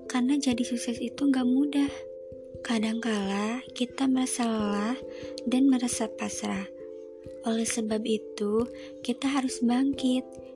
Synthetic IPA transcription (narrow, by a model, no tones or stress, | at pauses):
karnad͡ʒadisuksɛsit̪uŋɡaʔmudah | kadaŋkalakit̪aməɾasaləlahdanməɾasapasɾah | ʔolɛhsəbabit̪u | kit̪aɦaɾʊsbaŋkɪt̪̚